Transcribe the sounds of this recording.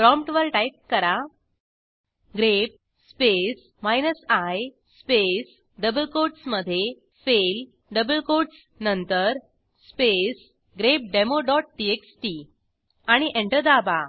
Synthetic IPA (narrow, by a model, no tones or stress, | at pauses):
pɾɔ̃mpʈʋəɾʈajp̚kəɾa | ɡɾep̚ | spes | majnəsaj | spes | ɖəbəlkoʈsməd̪ʱːje | fel | ɖəbəlkoʈs | nənt̪əɾ | spes | ɡɾep̚ɖemoɖɔʈ̚ʈieksʈi | aɽ̃iʔeɳʈəd̪aba